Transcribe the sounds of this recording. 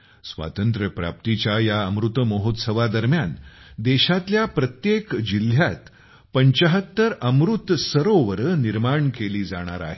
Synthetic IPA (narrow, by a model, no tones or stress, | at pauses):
sʋa̰t̪ənt̪ɾəpɾa̰p̚t̪it͡ɕjajaəmɾut̪əməɦot̪səʋad̪əɾmjand̪eɕat̪ljapɾət̪jekd͡ʑil̤jat̪ | pəɲt͡ɕəɦət̪ːəɾəmɾut̪səɾoʋəɾəniɾmaɳkeliːd͡zaɽ̃aɾa̰ɦe